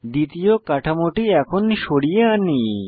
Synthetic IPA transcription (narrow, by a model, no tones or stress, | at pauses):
d̪it̪ijokaʈʰamoʈiɛkʰonʃoɽijeani